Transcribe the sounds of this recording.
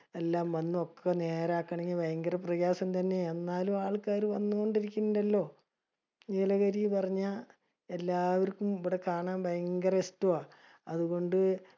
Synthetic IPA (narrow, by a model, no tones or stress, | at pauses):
e̞lːaːmʋɐnːuokʰːene̞ːɾaːkːɐɳɐɲːɐbɐjɐŋɡɐrɐprɐjaːsɐmt̪ɐnːe̞ːnːaːlumaːɭkaːɾuʋɐnːuɣo̞ɳɖiɾikʲːunːiɖɐlːo̞ː | ɲeːlɐɣɐɾijipɐrɐɲːa | e̞lːaːʋɐɾkːumiʋiɽe̞kaːɳaːmbɐjɐŋɡɐrɐestoaː | ɐðuɣo̞ɳɖɨ